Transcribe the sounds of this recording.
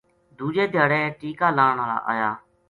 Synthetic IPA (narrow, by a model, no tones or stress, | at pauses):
d̪ʱuːd͡ʒeːd̪ʱɪjaːɽẽːʈiːkaːlaːɳaːla̰ːʔa̰ːjaː